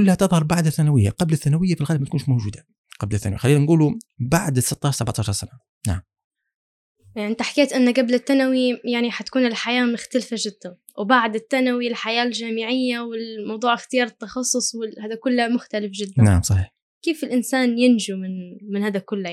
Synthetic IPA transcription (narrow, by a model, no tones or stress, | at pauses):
kʊlːhat̪ɨðˤhɑɾˤbaʕd̪aθːanawɪjːaqɑblɪθːanawɪjːafilɣalbmæt̪̚kuːnʃmowʒuːd̪a | qɑblɪθːanwḭxalːiːnanɡuːlubaʕd̪ɪsːɪt̪ˤːɑːʃɾsabʕt̪ˤɑːʃɑɾˤsana | na̰ʕm | ʕɪnt̪aħḁkeːt̪ʔɪnːaɡablɪt̪ːanawijaʕniħat̪ḁkuːnɪlħajaːmʊxt̪alfaʒɪd̪̥ːan | wbaʕd̪ɪt̪ːanawilħajaːlʒaːmɪʕɪjːawɪlmɑwd̪ˤuːʕɪxt̪ɪjɑːɾˤɨt̪ːɑxɑsˤːʊsˤwɪhaːd̪akʊlːamʊxt̪alɪfʒɪd̪ːanaʕmsˤɑħiːħ | keːfɪlʔɪnsaːnjɪnʒumɪnmɪnhaːd̪akʊlː